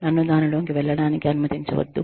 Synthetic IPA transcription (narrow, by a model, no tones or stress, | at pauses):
nɐnːud̪aːnuloːkiʋɛɭːɐɽaːnikiɐnimɐt̪iɲt͡ʃɐ̰ʋɐ̰d̪ːu